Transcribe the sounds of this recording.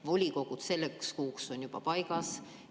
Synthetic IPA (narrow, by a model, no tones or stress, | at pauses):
vo̞lʲiko̞ɡ̥ut̪se̞lːekskuːkso̞nʲjub̥ɑ̰pɑjɡɑs